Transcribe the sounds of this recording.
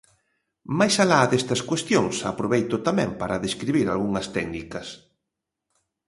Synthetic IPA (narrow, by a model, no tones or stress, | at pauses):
majsalaðest̪ɐskwest̪joŋsa̰pɾoβejt̪ʊt̪amɛ̰̃mpaɾɐðeskɾiβiɾa̰lɣuŋɐst̪ɛɡnikɐs